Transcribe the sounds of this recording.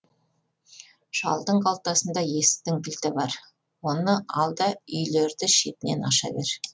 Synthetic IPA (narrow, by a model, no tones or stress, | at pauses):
ʃɑ̰lˠd̪əɴqʰɑlˠt̪ɑsənd̪ɑje̞sɪ̥t̪ɪŋbʲɪlt̪ɪbɑɾ | wo̞nəɑlˠd̪ɑʏjle̞ɾd̪ɪʃe̞t̪ɪne̞nɑʃɑ̰be̞ɾ